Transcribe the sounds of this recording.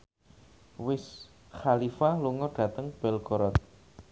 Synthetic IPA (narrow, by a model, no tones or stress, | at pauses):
wɪs | xalifaluŋɔrɖ̥ä̤t̪əŋb̥ɛlkɔɾɔt̪̚